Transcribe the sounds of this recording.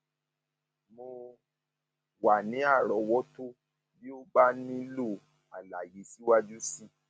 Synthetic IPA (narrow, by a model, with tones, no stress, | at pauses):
mo˧ | wa˨nĩ˨˦a˦˨ɾɔ˨˦wɔ˦to˦ | bi˦o˦ba˦nĩ˦lo˦˨ | a̰˨la˨je˨˦si˦wa˦d͡ʒu˦si˦˨